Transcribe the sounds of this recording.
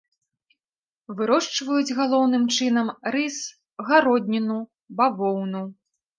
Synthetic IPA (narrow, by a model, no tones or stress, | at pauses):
vɨɾɔʂt͡ʂvɐjud͡zʲɣalˠɔwnɨmt͡ʂɨnɐmɾɨs | ɣaɾɔd̪ʲnʲinu | bavɔwnu